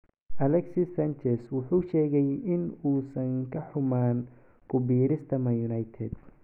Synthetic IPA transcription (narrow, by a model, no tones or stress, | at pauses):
ʔɐlɛksisɐnt͡ʃɛswʊħuːʃɛːɣɛjɪnuːsɐŋkʰɐħʊmaːn | kʰʊbiːɾɪst̪ʰɐmɐjʊnɐjt̪ʰɛd̪̥